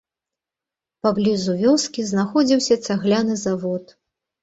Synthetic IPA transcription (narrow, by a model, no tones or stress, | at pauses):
pablʲizuvʲɔskʲiznaxɔd͡zʲiwsʲɐt̪saɣlʲanɨzavɔt̪